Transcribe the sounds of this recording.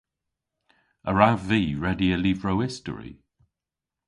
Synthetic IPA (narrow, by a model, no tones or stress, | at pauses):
əɹavviːɹɛdiəliːvɹoʊɪstə̰ɹḭ